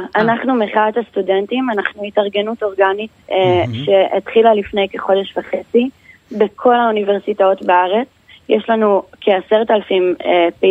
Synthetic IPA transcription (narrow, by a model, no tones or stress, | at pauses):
ʔanaχnumeχadhastude̞ntimanaχnuitaʁɡe̞nuto̞ʁɡanitʃe̞etχilalifne̞jkeχo̞de̞ʃvaχet͡si | bekʰo̞launive̞ʁsitao̞tbeaʁe̞t͡s | jeʃlanukʰeaseʁtalafimpe